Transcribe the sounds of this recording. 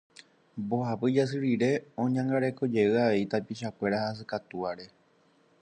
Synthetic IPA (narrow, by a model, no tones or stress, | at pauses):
bo̞hapɨd͡ʒas̬ɨɾiɾe̞õ̞ɲãŋɡaɾe̞ko̞d͡ʒe̞ɨaʋe̞it̪apiʃakʷe̞ɾahas̬ɨkat̪uaɾe̞